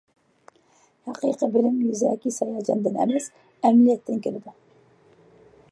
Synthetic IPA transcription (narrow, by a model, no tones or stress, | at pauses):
hɑqijqibɪlɪmjyzækʲisɑjɑd͡ʒɑnd̪ɪnæ̰mæs | æmlijɛt̪ʰːɪnkʲʰɪlɪd̪ɪ